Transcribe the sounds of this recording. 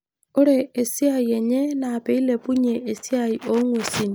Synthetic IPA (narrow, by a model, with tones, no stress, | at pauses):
ʊ˦ɾeː˦˨si˦a˨je˨ɲe˦naː˨pe˦i˦le˨pu˦ɲe˨ʔːsi˦a˨i˨ʔo˦ŋwe˨si˦˨ni˨